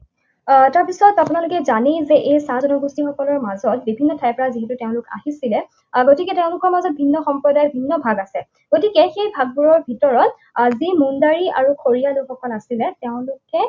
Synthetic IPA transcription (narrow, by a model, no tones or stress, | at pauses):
taɹpisɔtapʊnalʊkɛzanizɛʔejsazɔnɔɡustixɔkɔlɔɹmazɔt̚bibʱinːɔtʰajpɔɹaziɦɛtutɛʊ̃lʊka̰ɦisilɛ | ɡotikɛtɛʊ̃lʊkɔɹmazɔt̚bʱinːɔxɔmpɹɔdajɔt̚bʱinːɔbʱaɡasɛ | ɡ̥otikɛxejbʱaɡ̚buɹɔɹbʱitɔɹɔt̚ | zimundaɹia̰ɹukʰoɹijalʊxɔkɔlasilɛtɛʊ̃lʊkɛ